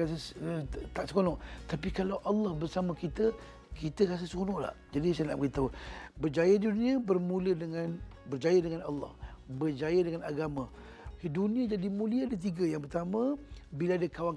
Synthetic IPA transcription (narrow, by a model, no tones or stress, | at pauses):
as̬ə | t̪aʔsə̥konɔʔt̪apikalawʔalːɑhbərsamãkit̪ə | kʰit̪əɾas̬əsəkonɔʔla̰hd͡ʒadis̬ana̰ʔbəɾit̪awbərd͡ʒajədiduniabərmũlədəŋan | bərd͡ʒajədəŋanɑlːɑ̰hbərd͡ʒajədəŋanaɡamã | hidunĩad͡ʒadimũliadət̪̬iɡəjaŋpərt̪amə̃bilaadakawaŋ